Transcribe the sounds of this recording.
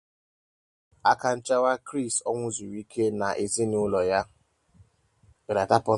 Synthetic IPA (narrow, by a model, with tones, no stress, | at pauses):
a˦ka˨n̩˦t͡ʃa˦wa˦kɾi˦˨stɔ˦ŋʷʊ˦zu˨ɾi˦kʰe˦na˨ʔe˨zi˦nʊ˦lɔ˨ja˦ | be˨ɾa˨ta˦pʊ˦